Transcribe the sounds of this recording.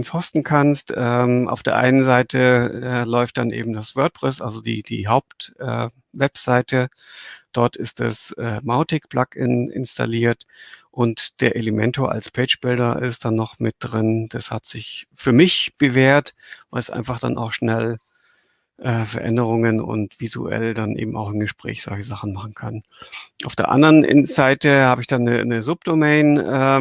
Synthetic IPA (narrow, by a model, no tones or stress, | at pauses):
nshɔstn̩kʰanstʔɛːmʔa̰ʊfd̥eːɐʔa̰ɪnənzaɪtʰəɛːlɔʏft̚d̥anʔḛːbm̩dasv̥œɐt̚pʁ̥ɛsʔa̰lzodiːd̥ḭːɦaʊptʔɛ̰ː | vɛpz̥aɪtʰə | d̥ɔɐtɪstd̥a̰sʔɛːmaʊtɪk̚b̥lakɪnɪ̰nstʰa̰liːɐtʔʊntd̥eːɐʔeləmɛntoɐʔa̰lspʰɛːt͡ʃb̥ɪldɐʔɪstd̥anːɔχmɪt̚d̥ʁɪnd̥ashatz̥ɪçfyːɐmɪçb̥əveːɐtvaɪlsʔa̰ɪnfaχd̥a̰na̰ʊxʃnɛl | ʔɛːfɛɐʔɛ̰ndəʁ̞ʊŋənʊ̰ntv̥izṵʔɛ̰ldanʔḛːbm̩a̰ʊxɪnɡəʃpʁ̥ɛ̰ːçz̥ɔ̰lçəzaχn̩maχn̩kʰan | ʔaʊfd̥eːɐʔa̰ndəʁənʔɪ̰nz̥aɪtəhaːbəɪçd̥anə̰nəzʊp̚d̥omɛːnʔɛː